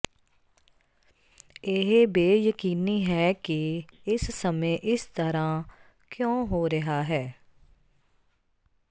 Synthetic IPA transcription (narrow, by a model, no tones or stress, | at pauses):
ɪɦbeːjəkiːniːɦɛːkɪɪssəmẽːʔɪst̪əɾãː | kjõːɦoːɾɪɦaːɦɛː